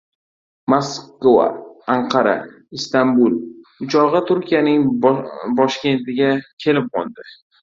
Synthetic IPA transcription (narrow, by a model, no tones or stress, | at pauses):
moskova̰aɴqʰɑɾa̰ | ist̪ambulʊt͡ʃʰɒʁɨt̪ʰʊɾkʲijanɪŋ | bɒʃkʲe̞nt̪ɪɡʲakʲʰe̞lɪp̚qɒ̰lˠd̪ɪ